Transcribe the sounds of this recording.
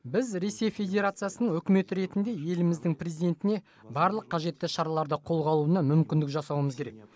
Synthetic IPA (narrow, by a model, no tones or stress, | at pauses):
bɪzɾe̞se̞jfʲe̞dʲe̞ɾat̪sɨjasənəɴŋwɵkʲɪme̞t̪ɪɾe̞t̪ɪnd̪e̞je̞lɪmɪzd̪ɪŋprʲezid̪e̞nt̪ɪne̞ | bɑɾlˠəqʰːɑʒe̞t̪ːɪʃɑɾɑlˠɑɾd̪əqʰo̞lˠʁɑlˠuənɑmʏmkʲɪnd̪ɪkʒɑsɑwəməzkʲʰe̞ɾek̚